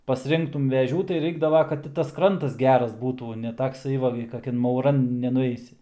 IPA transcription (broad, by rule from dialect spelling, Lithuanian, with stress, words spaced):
pɐsʲˈrʲɪŋktʊm ʋʲɛˈʒʲuː tɐɪ ˈrɐɪɡdɐʋɐ kɐt ˈtʲɪ tɐs ˈkrɐntɐs ˈɡʲæːrɐs ˈbuːtuː nʲɛ tɐkˈsɐɪ ʋɐ ɡʲɪ kɐˈkʲɛn mɐʊˈrɐn nʲɛnʊˈɛɪsʲɪ